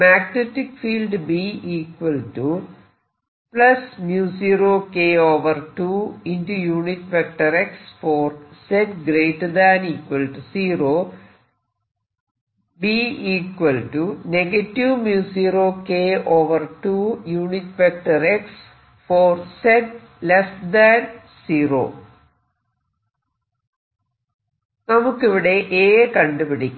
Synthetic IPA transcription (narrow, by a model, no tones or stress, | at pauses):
maːɡneʈːikfiːlɖbiiːkʋɐlʈu | plɐsmjuːsiːɾoːkeːoːʋɐrʈuintujuːniʈfek̚ʈɐɾeksfoːrseʈɡɾeːʈd̪aːniːkʋɐlʈusiːɾoː | biːiːkwɐlʈuneɡɐtːiʋmjuːsiːroːkeːoːʋɐrʈujuːnitfek̚ʈɐreks | foːrsed | lesd̪an | siːro̰ː | nɐmukːiʋiɽe̞ʔeːkɐɳɖɨpiɽikʲː